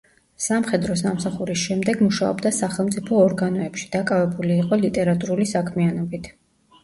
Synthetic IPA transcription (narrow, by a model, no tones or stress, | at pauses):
samχɛd̪ɾɔs̬amsaχuɾisʃɛmd̪ɛɡmuʃaɔ̰bd̪asaχɛlˠmt̪sʼipʰɔːɾɡanɔɛpʃi̥d̪̥akʼavɛbuliːqʼɔlit̪ʼɛɾat̪ʼuɾulisakʰmianɔbit̪ʰ